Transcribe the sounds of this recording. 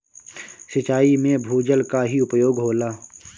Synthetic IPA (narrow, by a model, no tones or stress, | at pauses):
sɪt͡ʃaːimẽbʱuːd͡ʒəlkaɦiʊpjoːɡɦoːlaː